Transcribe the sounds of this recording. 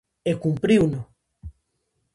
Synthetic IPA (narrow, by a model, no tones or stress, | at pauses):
ekumpɾiwno